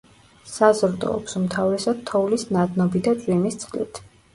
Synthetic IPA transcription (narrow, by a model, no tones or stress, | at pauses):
sazɾd̪ɔ̰ːpsumt̪ʰavɾɛsad̪̥̚t̪ʰɔvlisnad̪nɔbid̪at͡ʃʼwimist̪sʼqʼlḭt̪ʰ